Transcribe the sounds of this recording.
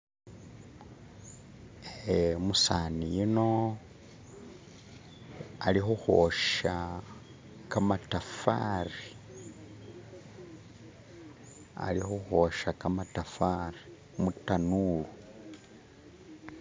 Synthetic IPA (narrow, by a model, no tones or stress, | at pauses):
emusanijino̞ | alixuxo̞ʃa | kamatafa̰ri | a̰lixuxo̞ʃakamatafaɾi | mutanulu